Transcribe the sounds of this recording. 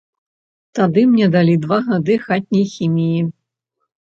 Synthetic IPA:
t̪ad̪ɨmnʲɛd̪alʲid̪vaɣad̪ɨxat̪̚ʲnʲɐjxʲimʲiji

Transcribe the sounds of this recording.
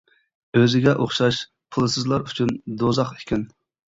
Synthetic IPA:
øzɪɡʲɛʔoχʃɑʃ | pʰʊlˠɨsɨzlˠɑɾyt͡ʃʰynd̪ozɑχekʲʰin

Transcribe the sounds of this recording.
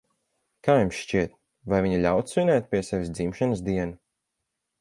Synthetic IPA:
kaːjumsʃt͡ʃiɛt̪̚ | vajvʲiɲiʎʲawt̪sinʲɛːt̪̚pʲiɛsɛvʲis̬d̪zimʃanɨsd̪iɛna

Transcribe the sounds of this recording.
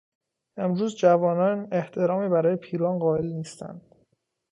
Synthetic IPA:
e̞mɾuːzd͡ʒævɒːnɒːne̞ht̪ʰe̞ɾɒːmiːbæɾɒːje̞pʰiːɾɒːnɢɒːe̞lniːst̪æ̰nd̪̥

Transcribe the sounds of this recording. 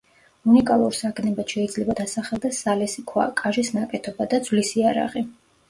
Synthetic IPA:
unikʼalˠuɾsaɡʰnɛbat̪ʃɛid̪zlɛbad̪asaχɛlˠd̪ɛsːalɛsikʰwa̰kʼaʒisnakʼɛt̪ʰɔbad̪ad̪zwlisiaɾa̰ʁi

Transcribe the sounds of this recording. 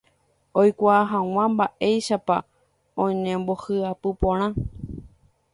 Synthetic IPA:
ojkʷaːɦãw̃ãmbaʔe̞jʃapa̰ | õɲẽmbo̞hɨapɨpõɾ̃ã

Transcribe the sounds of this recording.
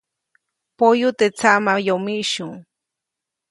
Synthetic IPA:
pojʊt̪et͡samajomɪʃʊŋ

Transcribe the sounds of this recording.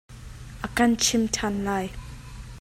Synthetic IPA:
ʔakant͡ʃʰimtʰanlaːj

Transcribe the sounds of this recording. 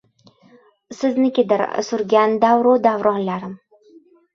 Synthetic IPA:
sɪznɪkʲɪd̪ɪ̰ɾsʊɾɡʲand̪avɾod̪avɾɒnlaɾɪm

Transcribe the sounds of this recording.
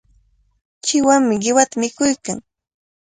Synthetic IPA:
t͡ʃɪwaŋmɪɢɪwat̪amɪkʊjkaŋ

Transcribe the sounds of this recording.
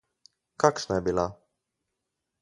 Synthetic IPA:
kaksnabila

